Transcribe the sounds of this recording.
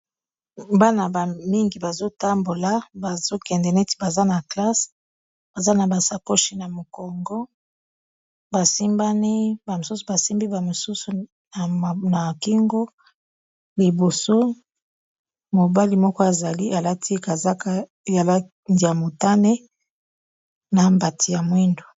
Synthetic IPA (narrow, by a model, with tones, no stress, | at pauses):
ba˦na˨ba˨mi˦ŋɡi˨ba˨zo˦ta˦mbo˨la˨ba˨zo˦kɛ˨ndɛ˨nɛ˦ti̥˦ba˨za˦na˨kla˦s | ba˨za˦na˨ba˨sa˨ko˦ʃi˦na˨mo˨kɔ˨ŋɡɔ˦ | ba˨si˦mba˦ni˦ba˨mo˨su˦su˨ba˨si˦mbi˦ba˨mo˨su˦su˨ | na˨ki˦ŋɡo˦ | li˨bo˨so˦ | mo˨ba˦li˦mɔ˦kɔ˦a˨za˨li˦ʔa˨la˦ti˦ka˨za˦ka˦˨ | ja˨la˦ | ndi˨ja˨mo˨ta˦ne˦ | na˨mba˨ti˨ja˨mwi˦ndo˨